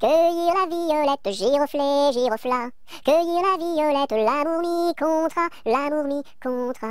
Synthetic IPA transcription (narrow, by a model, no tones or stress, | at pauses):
kəjiʁlavijɔlɛt̪ʒiʁəfleʒiʁəfla | kəjiʁlavijɔlɛt̪lamuʁmikɔ̃t̪χalamuʁmikɔ̃t̪χa